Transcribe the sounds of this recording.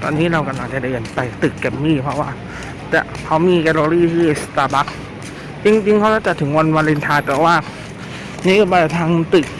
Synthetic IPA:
t̪ɔ̰ː˧nːiː˦˥ɾa˧wka˧˩laː˧˩t͡ɕa˨˩da˥˩jʔe˨˩npa˧˩t̪ɯ˨˩kːɛ˧˩mmiː˥˩pʰɾɔ˦˥waː˥˩ | t̪ɛ̰ː˨˩ | kʰa˦˥wmiː˧kɛ˧loː˧ɾiː˥˩t̪ʰiː˥˩st̪aː˧ba˦˥k̚ | t͡ɕi˧ŋt͡ɕi˧ŋkʰa˦˥waː˧˥˩t͡ɕa˨˩t̪̚ʰɯ˩˦ŋwa˧nwa˧li˧nt̪ʰaː˧t̪ɛː˨˩waː˥˩ | niː˦˧˥baː˧˩a˨˩t̪ʰaː˧ŋt̪ɯ˨˩k̚

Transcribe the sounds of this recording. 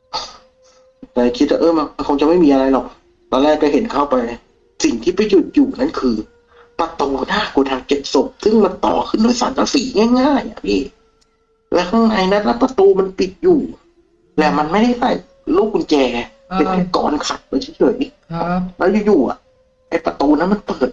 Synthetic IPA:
kaː˧˩kʰi˦˥t̪̚waː˧˩ʔɤː˧˩ma˧na˧nkʰo˧ŋt͡ɕa˨ma˥˩jmiː˧ʔa˧ɾa˧jlɔ˨˩k̚ | t̪ɔː˧nlɛː˥˩kːa˧˩ɦe˨˦nkʰa˥˩wpa˧j | si˨˩ŋt̪ʰiː˥˩pa˧jju˨˩t̪̚juː˨˩na˦˥˨nkʰɯː˧ | pɾa˧t̪uː˧naː˥˩kuː˧t̪ʰaː˧ŋt͡ɕe˨˩t̪̚so˨˩p̚sɯ˥˩ŋma˧nt̪ɔ̰ː˨˩kʰɯ˥˩nduː˧˥˩jsa̰˨˦nlaː˦˧˥siː˨˦ŋɛː˥˩ŋaː˥˩jʔa̰˨˩pʰiː˥˩ | lɛː˦˥wt̪ʰaː˥˩ŋna˧jna˦˥lɛ˦˥pɾa˧t̪uː˧ma˧npi˨˩t̪̚juː˨˩ | lɛː˨˧˩ma˧nma˥˩jda˥˩jka˧˩j | luː˥˩k̚ku˧nt͡ɕɛː˧ | pe˧nka˧˩kɔ̰ː˨˦nkʰa˨˩t̪̚pa˧t͡ɕʰa˦˥˩jt͡ɕʰɤ˨˩˦ji˧˥˩lɛː˦˥wjuː˨˩juː˨˩ʔa̰˨˩ʔ | ʔa˧˩jpɾa˧t̪uː˧na˦˥nma˧npɤː˨˩t̪̚

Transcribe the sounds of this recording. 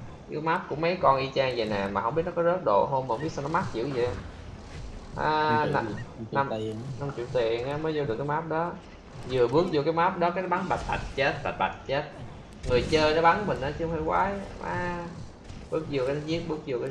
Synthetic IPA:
ki˧˦maː˦˥p̚kʊ̰˧˥ŋ͡mmə˨˦jkɔ˧nʔi˧t͡ɕaː˧ŋzə˨˩nɛ˨˩maː˨˩ɦwɓi˦˥t̚nɔ˦kɔ˨˦zəː˦˥t̚ɗo̰˧˨ɦo˧maː˨˧˦ŋ͡mɓi˦˥t̚sa˧nɔ˦ma˦˥t͡ɕḭ˧˨əwzə̰˨˧ | ʔaː˧˦˧ | na˧m˨na˧mt͡ɕḭ˨˧˨wt̪i˨˩ənʔaː˨˦mə˨˦jzɨ˧ɨ˨˩kːjmaː˦˥p̚ɗɔ˨˦ | zɨ˨˩əɓɨ˦˥ək̚zu˧˩kaː˨˦jmaː˦˥p̚ɗɔ˨˦kaː˦nɔ˦ɓa˨˦nɓa˨˩t̚t̪ʰa̰˨˩t̚t͡ɕe˦˥t̚ɓa˨˩t̚ɓa˨˩t̚t͡ɕe˦˥t̚ | ŋɨ˨˩əjt͡ɕəː˧jnɔ˨˦ɓa˨˦nkmï˨˩ŋ̟ʔaː˨˦t͡ɕɨ˧˦hwŋ͡mha˧˩jkwa̰ː˨˦jma̰ː˨˦ | ɓɨ˦˥ək̚zu˧˩ka˨˦n˦zi˦˥ət̚ɓɨ˦˥ək̚zu˧˩əka˨˧˦

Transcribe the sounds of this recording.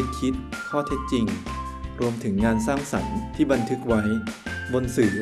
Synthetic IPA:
k̚kʰi˦˥t̪̚kʰɔː˥˩t̪ʰe˦˥t̪̚t͡ɕi˧ŋ | ɾu˧əmt̪ʰɯ˩˦ŋːaː˧nsaː˥˩ŋsa̰˩˦nt̪ʰiː˥˩ba˧nt̪ʰɯ˦˥k̚wa˦˥jbo˧nsɯː˩˦

